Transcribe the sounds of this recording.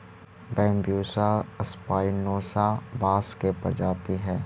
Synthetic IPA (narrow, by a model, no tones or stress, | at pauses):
bɛ̃ːmbjuːsaɐspaːɪnoːsabaːskepɐ̰ɾd͡ʒaːt̪iɦɛː